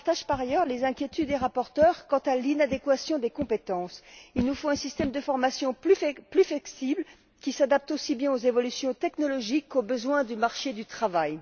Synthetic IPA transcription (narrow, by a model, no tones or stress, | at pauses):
paʁt̪aʒpaʁajœʁlezɛ̃kʲjet̪ʰyd̪ːeʁapɔʁt̪œʁkɑ̃t̪alinad̪ekwasjɔ̃d̪ekɔ̃pet̪ɑ̃silnufõɛ̃sist̪ɛmd̪əfɔʁmasjɔ̃plyplyfɛksibl | kʲisad̪ap̚t̪osibjɛ̃ozevɔlysjɔ̃t̪ɛknɔlɔʒikːobəzwɛ̃d̪ymaʁʃed̪yt̪χavaj